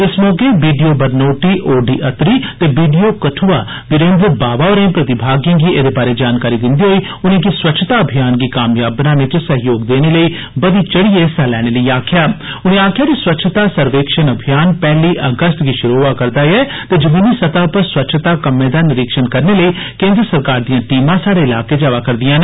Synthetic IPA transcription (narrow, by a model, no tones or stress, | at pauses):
ɪsmɔːkeːʋiːɖijoːbəɾnoːʈiːʔoːɖiːʔət̪ɾiːt̪eːʋiːɖijoːkəʈʰuaː | bɪɾẽːnd̪ɾbaːʋaːɔːɾẽːpɾət̪ɪbʱaːɡjãːɡiːʔeːd̪eːbaːɾeːd͡ʒaːnkaːɾiːd̪ɪnd̪iːɦoːiː | ʊnẽːkiswətːʃʰət̪aːəbʱijaːnɡiːkaːmjaːbnãːnet͡ʃsəɦjoːɡd̪eːneːləiː | bəd̪iːt͡ʃəɽieːsɛːlɛːɽ̃eːləiːaːkʰɪjaːʊnẽːaːkʰɪjaːkiswət̪ːʃʰət̪aːsəɾʋeːkʃənəbʱijaːnpɛːliːʔəɡəst̪ɡiːʃʊɾoːʋaːkəɾd̪aːɛː | t̪eːd͡ʒəmiːniːsət̪aːpəɾswət̪ːʃʰt̪aːkəmːẽːd̪aːnɪɾɪkʃənkəɾneːləiː | kẽːnd̪ɾəsəɾkaːɾd̪ijãːʈiːmãːsaːɽeːɪlaːkeːd͡ʒaːʋaːkəɾd̪ɪjãːnː